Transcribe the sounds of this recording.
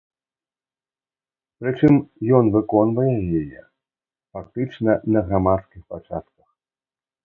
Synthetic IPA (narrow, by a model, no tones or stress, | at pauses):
pɾɨt͡ʂɨmjɔnvɨkɔnvɐjɛjajɛ̰ | fak̚t̪ɨt͡ʂnɐnɐɣɾamat̪skʲixpat͡ʂa̰t̪̚kɐx